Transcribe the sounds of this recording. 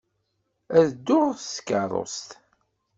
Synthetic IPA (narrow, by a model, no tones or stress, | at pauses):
æðd̪ːʊʁθskəɾˤo̰st̪